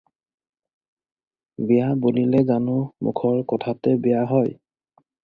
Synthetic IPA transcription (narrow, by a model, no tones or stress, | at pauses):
bɛjabolilɛzanʊmṵkʰɔɹkɔtʰatɛbejaɦɔj